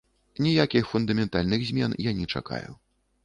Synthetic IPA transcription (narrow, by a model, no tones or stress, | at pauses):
nʲijakʲixfund̪ɐmʲɛnt̪alʲnɨɣzʲmʲɛnjanʲɛt͡ʂa̰ka̰jṵ